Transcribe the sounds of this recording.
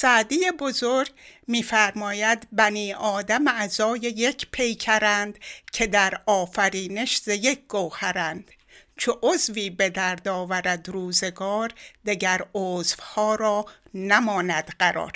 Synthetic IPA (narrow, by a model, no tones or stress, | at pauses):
sæʔd̪ijebo̞zoɾɡmiːfæɾmɒːjæd̪bæniːʔɒːd̪æmæzɒːje̞jecʰpʰe̞jcʰæɾænd̪̥cʰe̞d̪æɾɒːfæɾiːne̞ʃzejek̚ʰɡ̥owhæɾænd̪̥ | t͡ʃʰoʔozviːbe̞d̪æɾd̪ɒːvæɾæd̪ɾuːze̞ɡɒːɾd̪eɟæɾozvhɒːɾɒːnæmɒːnæd̪̥ɢæɾɒ̰ːɾ